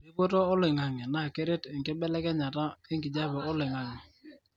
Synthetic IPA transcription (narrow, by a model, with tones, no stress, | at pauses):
bɪ˦bo˦to˦o˦lɪ˨ŋa˨ŋɛ˨na˦˨ke˦ɾe˦tɛ˨ŋkɪ˦bɛ˦lɛ˦kɛ˦ɲa˨ta˦ɪ˦ŋɡɪ˨d͡ʒa˦bɔ˨o˦lɪ˨ŋa˨ŋi˨